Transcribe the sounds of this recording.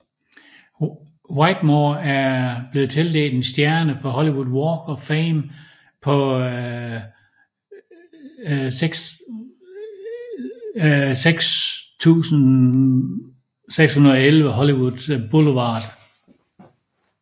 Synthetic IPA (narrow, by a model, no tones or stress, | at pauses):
wɑ̈ɪd̥moːæɐb̥le̝ð̩ˠt͡sʰe̝ld̥e̝̰ːld̥ensd̥jæɐnəpʰɒ̽ɦɒliwuðˠwɒːɡ̥ɒfɛːm | pʰɒ̽ | ɡ̥s | seɡ̥st͡sʰṵːsn̩ | seɡ̥shunɐðˠɒelʋəɦɒliwuð̥ˠb̥oləʋɑ̈ːd̥